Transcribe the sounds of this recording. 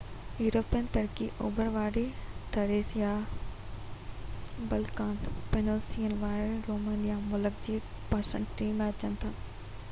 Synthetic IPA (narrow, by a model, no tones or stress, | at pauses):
juːɾoːpiənt̪ɐɾkiʔoːbəɾʋaːɾet̪ʰɐɾeːsija | bɐlkaːnpenoːsiːənʋaːɾeɾoːmẽːnijamʊləkd͡ʑiː | pɐɾsə̰̃ɳʈʈːiːmẽɐt͡ɕənɪ̆t̪ʰaː